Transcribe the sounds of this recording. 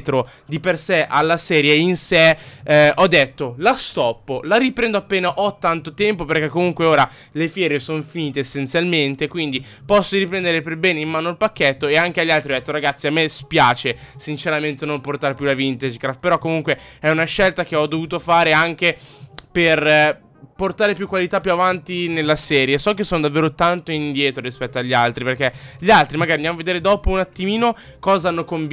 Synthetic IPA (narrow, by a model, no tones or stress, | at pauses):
t̪ɾo | d̪ipersɛʔalːasɛːɾjeinsɛʔɔd̪ːet̪ːolast̪ɔpːolaɾipɾɛnd̪oapːeːnaʔɔt̪ːant̪ot̪ɛmpoperkɛkːomuŋkweoːɾa | lefjɛːɾesonfiniːt̪eːsːent̪sjalment̪ekwind̪i | pɔsːoɾipɾɛnd̪eɾeperbɛːneimmaːnoalpakːet̪ːoeaŋk̟eaʎːalt̪ɾiɔd̪ɛt̪ːoɾaɡat̪sːiamːespjaːt͡ʃesint͡ʃeɾament̪enomport̪aɾepjulavint̪ed͡ʒkɾaft̪̚peɾɔkːomuŋkweɛunaʃːɛlt̪ak̟eɔd̪ovuːt̪ofaːɾeaŋk̟eper | port̪aːɾepjukːwalit̪apːjuavant̪inelːasɛːɾjesɔk̟ːesːoːnod̪avːeːɾot̪ant̪oind̪jɛːt̪ɾoɾispɛt̪ːoaʎːalt̪ɾiperk̟eʎialt̪ɾimaɡaɾind̪jamaved̪eːɾed̪ɔːpounat̪ːimiːno | kɔːzaanːokomb